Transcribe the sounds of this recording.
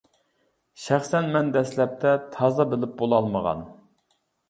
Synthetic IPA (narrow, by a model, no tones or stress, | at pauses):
ʃæχsɛnmɛnd̪ɛslɛp̚t̪ʰɛt̪ʰɑzɑbɪlɪp̚bolˠɑlˠməʁɑ̰n